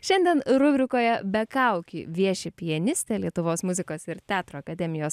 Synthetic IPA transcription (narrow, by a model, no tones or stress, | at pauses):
ʃʲɛnʲd̪ʲiɛnɾʊbʲɾʲɪkoːjɛbʲɛkɐˑʊkʲḭʋʲiɛʃʲɪpʲɪjɛnʲɪsʲt̪ʲɛlʲiɛt̪ʊʋoːsmʊzʲɪkoːsɪɾt̪ʲæːt̪ɾoːɐkɐd̪ʲɛmʲɪjoːs